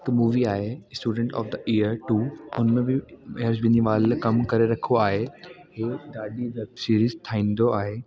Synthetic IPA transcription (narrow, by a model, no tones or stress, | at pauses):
k̪muːʋiaːɦesʈuːɖə̃ɳʈɔ̰ːfd̪əʔiːəɾʈuːʊnmẽbɪeəɾzbɪniʋaːlkɐmkɐɾeɾɐkʰoaːɦe | ɦeːd̪aːɖiʋɛbsiːɾiːzt̪ʰaːĩːn̆d̪oaːɦeː